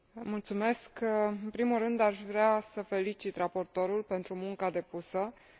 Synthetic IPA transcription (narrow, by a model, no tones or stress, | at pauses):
mult̪sume̞skɨnpɾimulrɨnd̪aʃvɾeasəfe̞lit͡ʃit̪rapo̞rt̪o̞ɾulpe̞nt̪ɾumuŋkad̪e̞pusə